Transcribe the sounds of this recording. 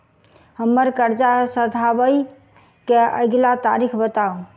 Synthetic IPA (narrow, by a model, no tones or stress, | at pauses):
həmːəɾkəɾd͡ʒasəd̪ʱaʋəi | keə̰ɡlat̪aɾikʰbət̪au